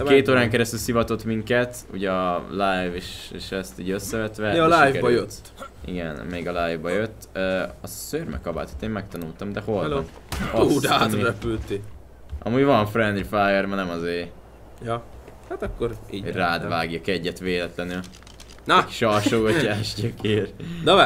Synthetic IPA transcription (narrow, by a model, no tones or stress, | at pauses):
keːt̪oːɾaːŋkɛɾɛst̪ylsivɒt̪o̞t̪miŋkɛt̪ṵɟɛɒlajveːʃeːʃɛst̪iːɟøsːɛvɛt̪ʋɛlajvɛbɒjøt̪ː | ḭɡɛ̰nmeiɡɒlajvbɒjøt̪ːøːɒsørmɛ̰kɒba̰ːt̪ʰo̥t̪ːeːmmɛk̚t̪ɒnult̪ɒmd̪ɛho̞llɔ̰n | ɒd̪aːmiɾɛpylt̪i | ʔɒ̰muːjvɒɱfrɛnd̪ɾifajɛrmɒnɛmɒzeː | jɒhat̪ɒkːoɾiraːd̪vaːɡjɒkɛɟːɛt̪ʋeːlɛt̪lɛnyl | nʃɒrʃoːɡɒcːaːʃɟɛkeːrnɔ